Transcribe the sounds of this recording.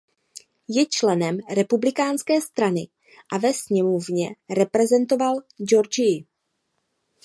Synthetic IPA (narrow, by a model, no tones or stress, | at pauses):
jɛt͡ʃlɛnɛmɾɛpublɪkaːnskɛːst̪ɾanɪ | ʔavɛsɲɛmovɲɛɾɛpɾɛzɛnt̪o̞vald͡ʒoɾd͡ʒɪɪ